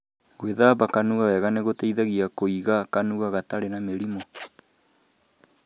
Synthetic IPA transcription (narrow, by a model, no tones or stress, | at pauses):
ɣweðaβakanuɣawɛɣaneɣotɛiðaɣiakoiɣakanuɣaɣataɾenameɾimo